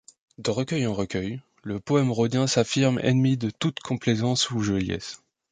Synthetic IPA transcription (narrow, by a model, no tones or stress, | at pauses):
d̪əʁəkʲœjɑ̃ʁəkʲœj | ləpɔɛmʁod̪jɛ̃safiʁmɛ̰nmid̪ət̪ut̪kʰɔ̃plezɑ̃suʒəljɛ̰s